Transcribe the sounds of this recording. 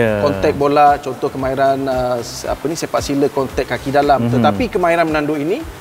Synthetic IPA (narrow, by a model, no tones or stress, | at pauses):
kɔnt̪ɛk̚bolat͡ʃɔnt̪ɔhkəmãiɾanəa̰pənisepaʔsiləkɔnt̪ɛk̚kːakidalamt̪ət̪apikəmaiɾanmənandoini